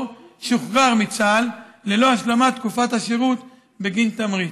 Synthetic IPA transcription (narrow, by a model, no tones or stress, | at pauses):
ʃuχʁaʁmit͡salːe̞lo̞aʃlamat̪kufat̪haʃeʁut̪ | beɡint̪amʁit